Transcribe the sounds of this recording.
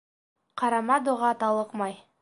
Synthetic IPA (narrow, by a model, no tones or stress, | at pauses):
qʰɑɾɑmɑd̪oʁɑt̪ɑlˠɤqmɑj